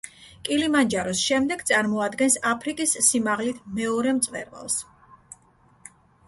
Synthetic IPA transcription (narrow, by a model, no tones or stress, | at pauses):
kʼilimand͡ʒaɾɔsʃɛmd̪ɛɡt̪sʼaɾmɔad̪ɡɛnsapʰɾikʼisːimaʁlit̪ʰmɛɔɾɛmt̪sʼvɛ̰ɾva̰lˠs